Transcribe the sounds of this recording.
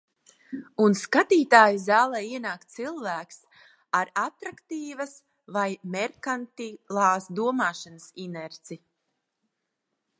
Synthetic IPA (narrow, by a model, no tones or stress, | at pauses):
unskat̪iːt̪aːjizaːlˠɛːjiɛnaːkt̪̚t̪silˠvæːks | aɾat̪ɾakt̪iːvas | vajmɛɾkant̪ilˠaːsd̪uɔmaːʃanasinɛɾt̪si